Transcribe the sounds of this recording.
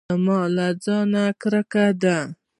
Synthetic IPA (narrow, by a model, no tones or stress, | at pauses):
mɑlad͡zɑnakɾakad̪a